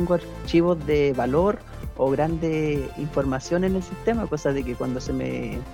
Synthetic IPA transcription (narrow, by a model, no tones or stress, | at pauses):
ŋɡoaɾ | t͡ʃiβozðeβalo̞ɾ | oɣɾand̪eiɱfo̞ɾmasjo̞nene̞lsist̪e̞makosaðe̞kekwand̪o̞semḛ